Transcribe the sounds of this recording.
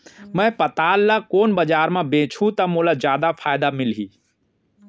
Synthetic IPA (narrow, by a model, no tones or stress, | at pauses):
mɛ̃pɐt̪aːlːakoːnbɐd͡ʒaːɾmãbẽːt͡ʃʰũt̪ɐmulad͡ʒjaːd̪afʰaːjd̪amɪlɦiː